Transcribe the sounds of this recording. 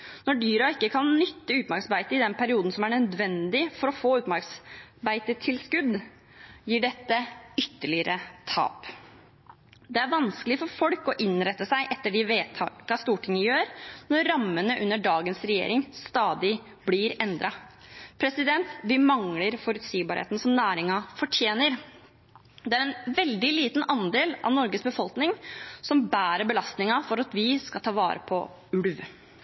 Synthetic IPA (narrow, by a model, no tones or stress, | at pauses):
nɔɖyːɾɑɪkːəkʰɑnnʏt̪ːəʉːt̪mæɾksbæɪt̪əɪd̪ɛnpʰæɾɪuːd̪n̩sɔmæɳœd̪ʋɛnd̪ɪfɔɾɔfoːʉːt̪mæɾksbæɪt̪ət̪ʰɪlskʉd̪ | jiːɖɛt̪ːəʏt̪ːəɭɪəɾət̪ʰɑ̰ːp | d̪ɛæɾʋɑnskəlɪfɔɾfɔlkɔʔɪnɾɛt̪ːəsæɪʔɛt̪ːəɖɪʋeːt̪ʰɑkɑst̪uːʈʰɪŋːəjøːɾnɔɾɾɑmːənəʔʉnːəɖɑːɡənsɾɛjḛːɾɪŋst̪ɑːd̪ɪ | blɪɾɛnd̪ɾɑpʰɾɛsɪd̪ɛnt̪ʋɪmɑŋləɾfɔɾʉt̪siːbɑɾhḛːt̪n̩sɔmnæːɾɪŋɑfɔʈʰjeːnəɾ | d̪ɛæɾɛnʋɛld̪ɪliːt̪nʔɑnd̪eːlɑ̰ʋnɔɾɡəsbəfɔlknɪŋsɔmbæːɾəɾbəlɑst̪nɪŋɑfɔɾɑt̪ʋɪskɑt̪ʰɑːʋɑːɾə̰pʰɔ̰ | ʉɽʋ